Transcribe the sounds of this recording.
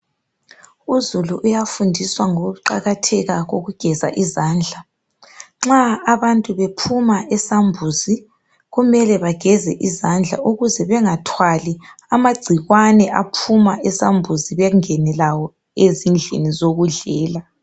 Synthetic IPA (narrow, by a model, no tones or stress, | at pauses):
uzuluʔujafundʱiswaŋoɣuǃaɣatʰɛɣaɣoɣuɡ̥ʱɛza̰ʔizaːnd͡ɮʱa | ŋ͡ǁaːβantʼuβepʰumaʔɛsambʱuzi | ɣumɛlɛβaɡ̥ʱɛzɛ̰ʔizand͡ɮʱa̰ʔuɣuzɛβɛŋatʰwali | amaɡ͡ǀʱiɣwanɛʔapʰumaʔɛsambʱuziβɛŋɛnɛlawɔ | ezind͡ɮʱḛnizoɣuɮɛːla